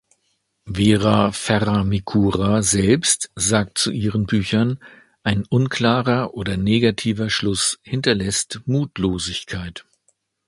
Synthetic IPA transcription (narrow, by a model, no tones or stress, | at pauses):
veːʁafɛʁamikʰuːʁazɛlpstz̥aːk̚tt͡sṵʔiːʁənbyːçɐn | ʔaɪnʔʊnkʰl̥aːʁɐʔoːdɐneːɡatʰiːvɐʃlʊshɪntɐlɛstmuːtloːzɪçkʰaɪt